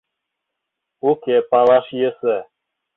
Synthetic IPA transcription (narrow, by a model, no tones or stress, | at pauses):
ukepɑlˠɑʃjəsə